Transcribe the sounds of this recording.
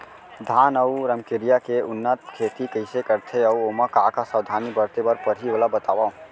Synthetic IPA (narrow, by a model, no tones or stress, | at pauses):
d̪ʱaːnəʊɾəmkɪɾijakeʊnːət̪kʰeːt̪ikəɪsekəɾt̪ʰeɐuoːmakaːkasawd̪ʱaːnibəɾt̪ebɐɾpəɾɦioːlabət̪aːʋa